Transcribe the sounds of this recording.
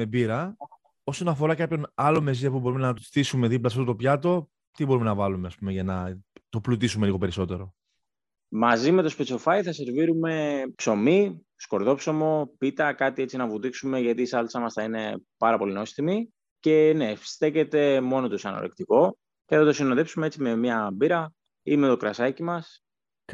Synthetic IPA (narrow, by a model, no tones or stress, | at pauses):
mebiɾɐ | o̞so̞nɐfo̞ɾɐkɐpço̞nɐlo̞me̞ziɐp̬ubo̞ɾumenɐt̪osθisume̞ðip̬lɐtɐsft̪ot̪opçɐt̪o̞ | t̪ibo̞ɾumenɐvɐlumeɐspumeʝɐnɐt̪o̞plut̪isume̞liɣo̞pe̞ɾiso̞t̪e̞ɾo̞ | mɐzime̞t̪o̞spet͡sofɐjθɐse̞ɾviɾume̞pso̞mi | sko̞ɾðo̞pso̞mo̞pit̪ɐkɐt̪iet͡sinɐvut̪iksume̞ʝɐt̪iːsɐlt͡sɐmɐsθɐine̞pɐɾɐpo̞lino̞sθimi | ce̞ne̞st̪e̞ce̞t̪e̞mo̞not̪usɐ̰no̰ɾekt̪iko̞ | ceθɐt̪o̞sino̞ðepsumeet͡sime̞mɲɐbiɾɐ | ime̞t̪o̞kɾɐsɐcimɐs